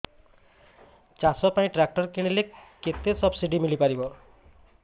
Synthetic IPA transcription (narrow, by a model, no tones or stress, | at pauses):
t͡ɕasɔpaj̃ʈɾak̚ʈɔɾkiɽ̃ileket̪ːesɔbsiɖimilipaɾibɔ